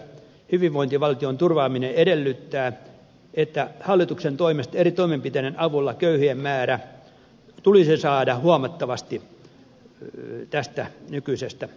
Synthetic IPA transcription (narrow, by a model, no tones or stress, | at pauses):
hyʋiʋʋoint̪iʋɑlt̪iont̪urʋɑːmineedelːyt̪ːæː | et̪ːæhɑlːit̪uksent̪oimest̪erit̪oimempit̪enenɑʋulːɑkøyhiemmæːɾæ | t̪ulisisɑːdɑhuɑmɑt̪ːɑʋɑst̪i | t̪æst̪ænykyisest̪æ